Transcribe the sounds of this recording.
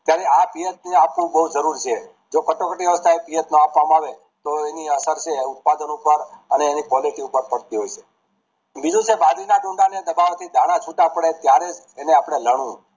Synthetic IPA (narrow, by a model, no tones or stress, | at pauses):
t̪jaɾeapijət̪̚neapʋũbəɦud͡ʒəɾuɾt͡ʃʰe | d͡ʒokəʈokəʈiʋəst̪ʰaepijət̪noapʋamaʋe | t̪oeniəsəɾt͡ʃʰeut̪̚pad̪ənupəɾəneːnipɔliʈiupəɾpəɽt̪iɦojt͡ʃʰe | bid͡ʒũt͡ʃʰebad̪inaɖũɳɖaned̪əbaʋt̪ʰid̪ʱaɽ̃ãt͡ʃʰuʈapəɽet̪jaɾed͡ʒːneapɽ̃eləɽ̃ũ